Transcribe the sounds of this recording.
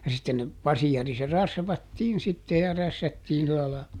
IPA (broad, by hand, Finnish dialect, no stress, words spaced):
jɑ sitːen ne pɑsiɑri se rɑsʋɑtːiːn sitːe jɑ ræsːætːiːn silɑ lɑ